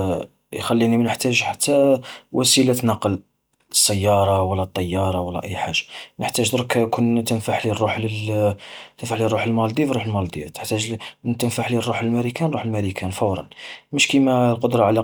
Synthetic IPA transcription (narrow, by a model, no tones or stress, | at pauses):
jxælːinimnəħt̪æʒħḁt̪ːæwʔæsilæt̪nɑqːəl | əsːæjːɑɾˤɑwəlːæt̪ˤːɑjːɑɾˤɑwəlːæ̰ʔəjːħaʒːḁnəħt̪æʒd̪ɾkækunt̪ənfaħlirˤːuħli | t̪ənfaħlirˤːuħəlmɑld̪ifrɾˤuħəlmɑld̪ijæt̪ə̥ħt̪æʒt̪ənfaħlirˤːuħəlmæɾikænˤuħəlmæɾikʰænfɑwɾˤɑ̰nməʃkimælqod̪ɾˤɑʕlæ